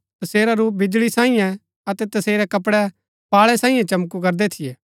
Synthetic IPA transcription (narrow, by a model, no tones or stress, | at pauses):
t̪ɐseːɾaɾuːp̬̚bɪd͡ʒɭisãːĩjɛ̃ | ɐt̪ɛt̪ɐseːɾɛkɐpɽɛ | paːɭɛsãːĩjɛ̃t͡ʃɐmkuk̬ɐɾd̪ɛt̪ʰɪjɛː